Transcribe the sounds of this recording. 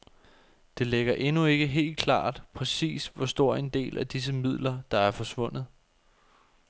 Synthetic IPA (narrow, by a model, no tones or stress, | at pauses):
d̥e̝leɡ̥ɐʔe̝nue̝ɡ̥əɦe̝̰ːld̥̚kʰlɑ̰̈ːd̥pʰʁɛsḭːsʋɒsd̥o̝ɐ̰e̝nd̥e̝̰ːlʔæd̥is̬əmið̞̰ˠlɐd̥ɑ̈æɐfɒ̽sʋɔ̽n̰ð̩ˠ